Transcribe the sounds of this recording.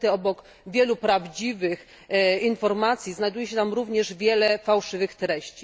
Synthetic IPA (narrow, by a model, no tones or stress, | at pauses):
t̪ɛɔbɔk | vʲjɛlupɾavd͡ʑivɘx | infɔɾmat̪sʲjiznajd̪ujɛɕɛt̪amɾuvɲɛʐvʲjɛlɛfawʂɘvɘxt̪ɾɛɕt͡ɕi